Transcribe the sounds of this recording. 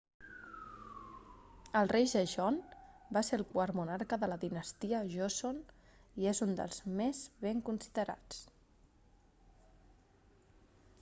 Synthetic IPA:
əlˠrejʒəʒɔnbaselˠkwəɾmunaɾkəðələðinəst̪iəʒosoniezund̪ə̰lˠzmezβeŋkunsiðəɾa̰t͡s

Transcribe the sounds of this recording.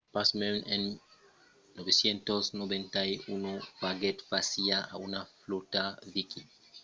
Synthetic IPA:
pasmemenː | obesjent̪osnobent̪ajunobaɡet̪fasiaʔa̰unaflut̪aviki

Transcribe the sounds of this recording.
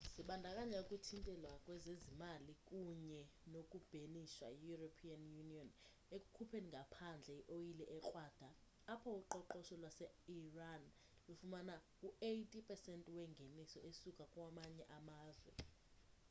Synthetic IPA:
siɓandʱakʼaɲakʼutʰintʼɛlwakʼwɛzezimalikʼuɲɛ | nokʼub̥ʱeniʃwa̰ijuropʰianjuniɔn | ekʼukʰupʰeniŋɡʱapʰand͡ɮʱɛiʔoilɛʔɛk͡xʼwad̥ʱaː | pʰɔuǃɔǃɔʃɔlwasɛ | iran | lufumanakʼuejtʼipʰʼɛsɛntʼwɛŋɡʱenisɔʔesukʼakʼwamaɲɛʔamaːzwɛ̰

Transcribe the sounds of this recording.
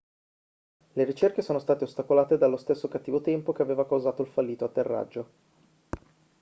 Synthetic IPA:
leɾit͡ʃerkesoːnost̪aːt̪eost̪akolaːt̪ed̪alːost̪esːokat̪ːiːvot̪ɛmpok̟eaveːvakawzaːt̪oilfalːiːt̪oat̪ːerːa̰d͡ʒːo

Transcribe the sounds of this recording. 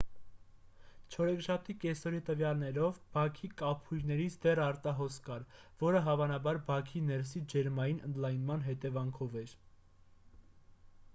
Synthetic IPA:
t͡ʃʰɔɾɛkʰʃɑp̚ʰt̪ikɛsɔɾit̪əvjɑlnɛɾɔvbɑkʰikɑpʰhujɾnɛɾit͡sʰd̪ɛrɑɾt̪ɑɦɔskɑɾvɔɾəɦɑvɑnɑbɑɾbɑkʰinɛɾsid͡ʒɛɾmɑjinənd̪lɑjnmɑnɦɛt̪ɛvɑŋkʰɔvɛɾ

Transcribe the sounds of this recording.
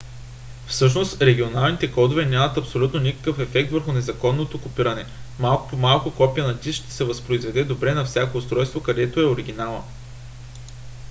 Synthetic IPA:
fsɤʃ̬nost̪ɾɛɡʲionalˠnit̪ɛkɔd̪ovɛnʲamɐt̪ɐpsolʲut̪nonikɐ̥kɤfɛfɛk̚t̪vəɾxʊnɛzɐkɔnːot̪okopiɾɐnɛmalˠkpomalˠkʊkɔpijənɐd̪isʃt̪ɛ̥sɛvɐspɾoizvɛd̪ɛd̪obɾɛnɐfsʲakoːst̪ɾɔjst̪vokɐd̪ɛt̪oɛoɾiɡ̟ʲinalˠɐ̰

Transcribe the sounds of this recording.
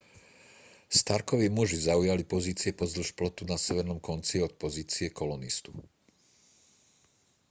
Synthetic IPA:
st̪aɾkɔʋiːmuʒizaujalipɔziːt͡siɛpɔzl̩ʃplɔt̪unasɛʋɛɾnɔmkɔnt͡siɔt̪̚pɔziːt͡siɛkɔlɔnist̪u̥

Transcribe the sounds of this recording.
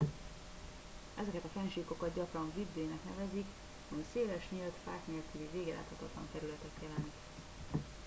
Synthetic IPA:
ʔɛzɛkɛt̪ɒfɛnʃiːko̞kɒd̪̚ɟɒkrɒɱvibːeːnɛknɛ̰vɛzik | hɒmiseːlɛʃɲeːlt̪fa̰ːkneːlkyliveːɡɛlʔa̰ːt̪hɒt̪ɒt̪lɒ̰nt̪ɛɾylɛt̪ɛk̪jɛlɛnik

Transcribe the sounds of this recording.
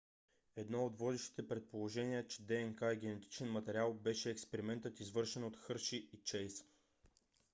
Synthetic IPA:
ɛd̪nɔod̪vɔd̪ɛʃt̪i̥t̪ɛpɾɛt̪̚polˠoʒɛniət͡ʃɛ̥d̪ɛɛnkaiɡ̟ʲɛnɛt̪i̥t͡ʃɛnmɐt̪ɛɾʲialˠbɛʃɛːkspɛɾimɛnt̪ət̪izvɤɾʃɛnot̪xɤɾʃiit͡ʃɛjs

